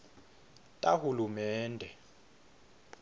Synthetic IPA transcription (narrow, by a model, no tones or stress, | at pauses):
tʼahulumɛːndʱɛ